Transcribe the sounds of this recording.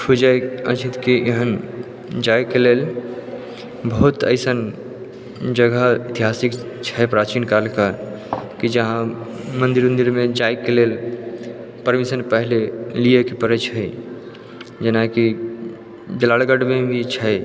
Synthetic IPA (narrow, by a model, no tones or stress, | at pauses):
pʰud͡ʒəjət͡ʃʰit̪kieɦən | d͡ʒajkelel | bəɦut̪ə̰ɪsən | d͡ʒəɡəit̪iɦasikt͡ʃʰɛpɾat͡ʃinkalkaɾ | kid͡ʒəɦã | mənd̪iɾə̃nd̪iɾmed͡ʒajkelel | pəɾmisəɾpəɦleliekepəɾət͡ʃʰəɪ | d͡ʒenaki | d͡ʒəlalɡəɖmebʱit͡ʃʰɛ